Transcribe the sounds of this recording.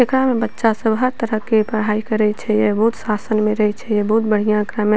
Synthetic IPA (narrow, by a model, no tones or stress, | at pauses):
ekɽamebətːʃasəbɦəɾt̪əɾəkepəɽ̤ɦaːikəɾɛt͡ʃʰɛjebəɦut̪sasənmẽɾəɦɛt͡ʃʰɛjebəɦut̪̚bəɽ̤ijãkɾamẽ